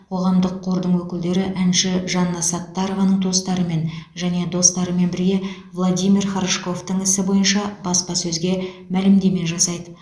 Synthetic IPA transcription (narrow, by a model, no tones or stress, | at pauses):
qʰo̞ʁɑmd̪əqʰːo̞ɾd̪əɴwɵkʲɪld̪e̞ɾɪʔænʃɪʒɑnːɑsɑt̪ːɑɾovɑnəɴd̪ʰo̞st̪ɑɾəme̞nʒæne̞d̪o̞st̪ɑɾəme̞nbɪɾɡʲe̞ | vlˠod̪ijmʲirχɑɾʃko̞ft̪əɴɪsɪbo̞jənʃɑbɑspɑsɵzɡʲe̞ | mælɪmd̪e̞me̞ʒɑsɑjd̪ə